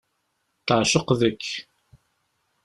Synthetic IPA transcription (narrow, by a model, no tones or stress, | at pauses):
t̪əʕʃəqðəkː